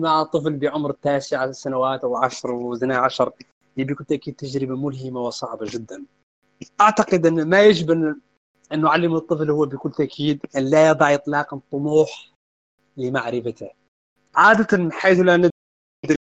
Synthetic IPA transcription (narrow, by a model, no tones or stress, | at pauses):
maʕt̪ˤːɨflbɪʕʊmɾt̪ːaːsɪʕasanawaːt̪ʔawʕaʃɾˤwzanaʕaʃɾˤ | hɪjːabikʊlt̪aʔkiːd̪̚t̪ːaʒɾɪbamʊlɦɪmawsˤɑʕbaʒɪd̪ːan | ʔaʕt̪ɑqɨd̪ʔɪnːmajaʒɪbn | ʔɪnːʊʕalːɪmɨt̪ˤːɨflhʊwːbɪkʊlːt̪aʔkʰiːd̪ʔanlajɑd̪ˤɑʕjɨt̪ˤlɑːqt̪ˤːʊmuːħ | lɪmaʕɾɪfat̪ɪ | ʕaːd̪at̪anmɪħaːθlanɪ | d̪ɾ